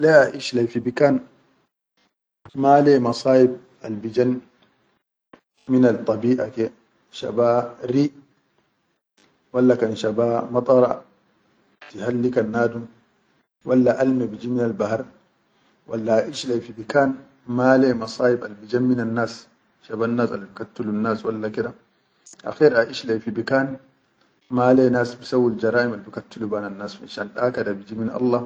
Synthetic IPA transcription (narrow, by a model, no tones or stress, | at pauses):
lɛaʔiʃlajfibikan | malɛmɑsaːʔib̚ | ʔalbid͡ʒan | minalt̪ˤːɑbiːʔakɛ | ʃa̰baɾiː | walːakanʃabamɑt̪ˤʼɑɾˤɑ̰ | tihalːikanːaːdum | walːaʔalmɛbid͡ʒiminalbahaɾ | walːaːʔiʃlafibikaːn | maːlɛmɑsaːʔibalbid͡ʒamːinanːaːs | ʃabanːasalbikatːulunːaːswalːakɛda | ʔa̰xɛɾaʔiʃlafibikan | maːlɛnaːsbisawːald͡ʒɐɾaːʔimalbikatːulubananːaːsfḭʃanɗakadabid͡ʒiminʔɑ̰lːɑ